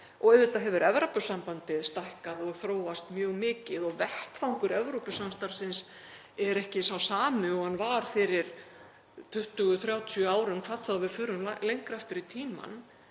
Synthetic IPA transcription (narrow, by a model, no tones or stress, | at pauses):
ɔɣɛðɪt̪aɦɛvʏɾɛvɾapʏsampant̪ɪðst̪ahkaðɔɣθɾoːwast̪mjœːɣmɪːcɪðɔɣvɛht̪fawŋkʏɾɛvɾowpʏsamst̪aɾ̥sɪns | ɛɾɛhcɪsawsaːmʏɔɣanːvaɾ̥fɪɾɪɾ̥ | t̪ʰʏht̪ʏɣʏθɾjaːwt̪ʰjœaːwɾʏmkʰvaːðθaðvɪðfʏːɾʏmlalejŋkɾaft̪ʏɾit̪ʰiːma̰n